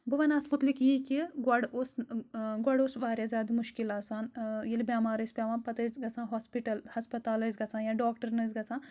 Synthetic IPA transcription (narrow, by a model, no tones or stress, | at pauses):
bɐʋɐnaːt̪ʰmut̪likjikiɡɐɽoːsɡwɐɽoːsbaːɾjaːzʲaːd̪muʃkilaːsaːnjilbʲjaːmaːɾəspʲjaːʋaːnpɐt̪əzɡɐt͡sʰãːɦaːspiʈɐlhɐspɐt̪aːləːzɡɐt͡sʰãːnjãːɖoːkʈɐɾnəːzɡɐt͡sʰãː